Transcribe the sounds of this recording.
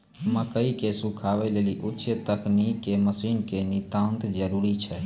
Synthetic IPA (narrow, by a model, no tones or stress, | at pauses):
əmːãkəikesũkʰaʋɛleliʔʊtːʃət̪əknikːeməsiːnkenɪt̪ãnt̪d͡ʒəɾuɾit͡ʃʰɛ